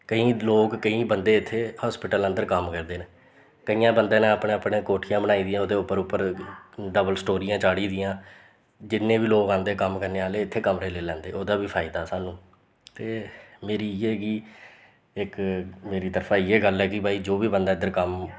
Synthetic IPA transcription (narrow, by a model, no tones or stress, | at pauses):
kəĩːloːkkəĩːbənd̪eːɪt̪ʰːeːhɔːspɪʈələnd̪əɾkəmkəɾd̪eːneː | kəijãːbənd̪eːnẽːpɳẽːəpɳẽːkoːʈʰijãːbəɽaːiːd̪ɪjãːoːd̪eːʊpːəɾʊpːəɾɖəbəlsʈoːɾijãːt͡ʃaːɽiːd̪ɪjãː | d͡ʒɪnːẽːbiːloːkãːnd̪eːkəmkəɾneːaːleːɪt̪ʰːeːkəmɾeːleːlɛ̃ːnd̪eːoːd̪aːbiːpʰaːɪd̪aːsaːnũː | t̪eːmeːɾiːeːɡiː | ɪkmeːɾiːt̪əɾpʰãːɪeːɡəlɦɛːkɪbʱaːiːd͡ʒoːʋiːbənd̪aːɪd̪əɾkəm